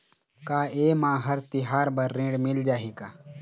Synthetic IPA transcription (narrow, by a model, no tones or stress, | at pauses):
kaːeːmãːɦɐɾt̪ɪɦaːɾbɐɾːẽːɖmɪld͡ʒaːɦikaː